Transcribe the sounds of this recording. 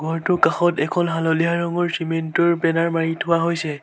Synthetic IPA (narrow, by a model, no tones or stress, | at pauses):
ɡʱɔɹtʊkaxɔtɛkʰɔnɦalɔlijaɹɔŋɔɹsimentɔɹpɛnaɹmaɹitʰʊwaɦojsɛ